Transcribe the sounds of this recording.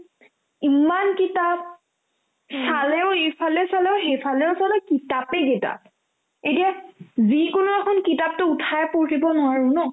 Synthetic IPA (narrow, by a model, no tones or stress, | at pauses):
imankitap̚ | salɛʊejpʰalɛsalɛʊxejpʰalɛʊsalɛkitapekita̰p̚ | etijazikʊnʊɛkʰɔnkitap̚tʊutʰajpoɹtibɔnʊwaɹʊ̃nɔ